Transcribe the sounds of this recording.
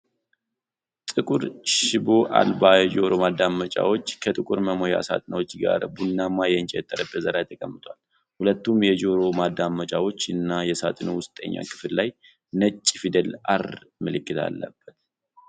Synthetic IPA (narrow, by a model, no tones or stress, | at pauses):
t̪ʼɨkʼuɾʃɪboʔa̰lbajɛd͡ʒo̞ɾo̞mad̪ːamːət͡ʃʼa̰wo̞t͡ʃːkʰət̪ʼɨkʼuɾməmo̞ja̰sa̰t̪ʼnəwo̞t͡ʃːɡa̰ɾbunːamajɛnt͡ʃʼɛt̪ʼːəɾəbəzəɾajt̪ʰːəkʼəmːɨt̪ʰʼwal | hulət̪ːumjɛd͡ʒo̞ɾo̞mad̪amːət͡ʃʼawo̞t͡ʃːɨnːajɛsat̪ʼɨnowʊst̪ʼə̰ɲːa̰kʰʼɨ̥fllaj | nət͡ʃʼːfid̪əlʔaɾmɨlɨkʼːɨt̪ʰa̰lːə̰b̥ːət̪̚